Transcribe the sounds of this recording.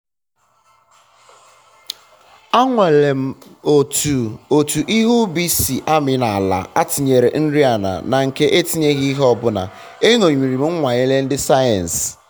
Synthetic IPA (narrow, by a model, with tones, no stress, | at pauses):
a˦ŋʷa˨le˨m̩˨ | o˨tu˨ʔi˦ɦu˦bi˦si˨ʔa˦mɪ˨na˨a˨la̰˨a˦ti˨ɲe˨ɾe˨n̩˦ɾi˦a˨na̰˨na˨ŋ̩˨ke˦ʔe˦ti˦ɲe˦ɣi˦ɦɔ˦bʊ˦na̰˨ | e˦ŋo˨ɲʷi˨ɾi˨m̩˦ŋ̩˦ŋʷa˨ɲe˦le˦n̩˦dɪ˦sa˦ja˨n˨s